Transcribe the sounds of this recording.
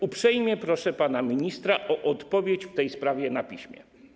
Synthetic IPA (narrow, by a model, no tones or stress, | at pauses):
upʂɛjmʲjɛpɾɔʂɛpanamʲiɲist̪ɾaʔɔʔɔt̪pɔvʲjet͡ɕft̪ɛjspɾavʲjɛnapʲiɕmʲjɛ̰